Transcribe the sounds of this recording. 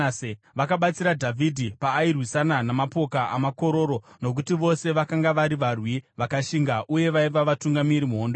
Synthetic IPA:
e | ʋakaɓat͡siɾadʱavʱidʱipaːirwisananamapo̞kaʔa̰mako̞ɾo̞ɾo̞ | no̞k̬utiʋo̞se̞ʋakaŋɡaʋaɾiʋarwiʋakaʃiŋɡaʔuje̞ʋaiʋaʋatuŋɡamiɾimuɦondo

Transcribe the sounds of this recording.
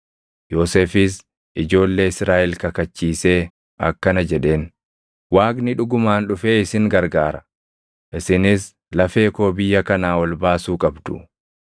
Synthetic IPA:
jo̞ːseːfɪs̬ | ʔɪd͡ʒo̞ːlːe̞ːɪsɾaːʔɛlkɐkɐt͡ʃːiːse̞ː | ʔɐkːɐnɐd͡ʒɛᶑe̞ːn | waːɡnɪᶑʊɡʊmaːnᶑʊfe̞ːɪsɪŋɡɐɾɡaːɾɐ | ʔɪsɪnɪs | lɐfe̞ːko̞ːbɪjːɐkɐnaːwɐlbaːsuːkʼɐbd̪ʊ̥̰

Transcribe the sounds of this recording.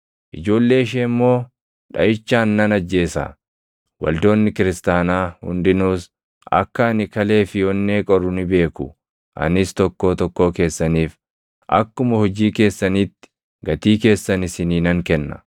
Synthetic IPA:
ʔɪd͡ʒo̞ːlːe̞ːɪʃ̬eːmːo̞ː | ᶑɐ̰ʔɪt͡ʃːaːnːɐnɐd͡ʒːe̞ːsɐ̰ | wɐ̰ld̪o̞ːnːɪkɪɾɪst̪aːnaːhʊ̰nd̪ɪnuːs | ʔɐ̰kːɐːnɪkɐle̞ːfɪjɔnːe̞ːkʼɔɾʊnɪbe̞ːkʊ | ʔɐ̰nɪst̪ɔkːo̞ːt̪ɔkːo̞ːke̞ːsːɐniːf | ʔɐ̰kːʊmɐhɔd͡ʒiːke̞ːsːɐniːt̪ːɪ̥ | ɡɐt̪iːke̞ːsːɐnɪsɪniːnɐŋkɛnːɐ̰

